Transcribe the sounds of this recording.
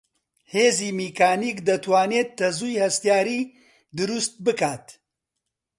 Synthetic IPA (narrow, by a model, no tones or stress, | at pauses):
heːziːmiːkaːniːkd̪ɐt̪ʰwaːneːt̪ːɐzuːjhɐst̪ijaːɾiː | d̪ɨɾust̪̚bɨkaːt̪